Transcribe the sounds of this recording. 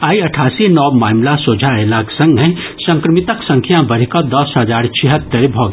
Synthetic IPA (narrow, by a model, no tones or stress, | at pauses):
aiəʈʰasinɔbmamlasod͡ʒʱaelaksə̃ŋɡɦə̃ | sə̃ŋkɾəmit̪əksə̃ŋkʰijabəɾikɔd̪ɔsɦəd͡ʒaɾt͡ʃʰiɦət̪ːəɾbʱɔɡ